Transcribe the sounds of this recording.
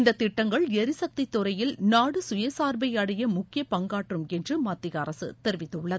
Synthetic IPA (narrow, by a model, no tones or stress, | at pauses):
ɪnd̪ɐt̪ːɪʈːɐŋɡɐɭɛɾɪsɐk̚t̪ɪt̪ːʊɾɐjɪlnaːɽɯsʊjɐsaːɾbɐjɐɽɐjɐmʊkːɪjɐpɐŋɡaːʈrɯmɛndrɯmaːt̪ːɪɣɐɐɾɐsɯ̰t̪ɛɾɪʋɪt̪ːɯʊɭːɐð